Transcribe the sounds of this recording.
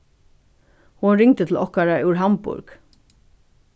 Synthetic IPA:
hunɾɪŋt̪ət̪ʰl̩ɔhkaɾaʔʉwɹɦampʊ̰ɾk

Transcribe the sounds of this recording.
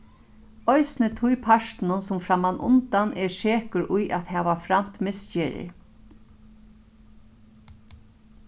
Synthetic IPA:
ɔjsnət̪ʰʊjpʰaʂt̪nʊnsʊmfɾamanʔʊ̰nt̪anʔɛʂeːkʊɾʔʊjʔat̪hɛːʋafɾam̥t̪mɪst͡ʃɛːɾɪ̰ɾ

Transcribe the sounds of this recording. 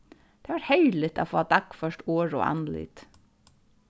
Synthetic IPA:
d̪̥eːʋæːʈhœʏlɪt̪ʰo̰foːɑːd̪ɑkːfœʃʈoːɹo̰ːʔɑ̰nlɪ̰ːt̪

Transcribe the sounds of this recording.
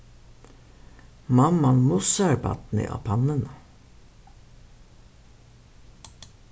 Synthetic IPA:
mɑmːɑnmʊsæɾbɑ̰t̪n̩ḭːʔɑ̰pʰɑnən

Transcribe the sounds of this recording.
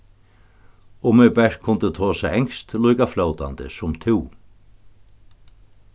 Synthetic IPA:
ʊmɛbɛʂ̚kʰʊnt̪ɪt̪ʰoːsaɛŋst̪lujkafloːwt̪a̰nt̪ɪ̰sʊmt̪ʰɪw

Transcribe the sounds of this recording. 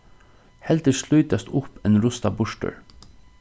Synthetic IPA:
hɛlt̪əʂlʉːt̪ast̪ʊpɛnɾʊst̪abʊʂʈə̰ɹ

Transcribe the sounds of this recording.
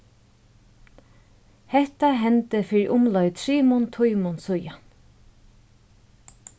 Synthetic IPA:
hɛht̪aɦɛnt̪əfɪːɾiʔʊmlɔjt̪ʰɾiːmʊnt̪ʰʊjmʊnsʊjan

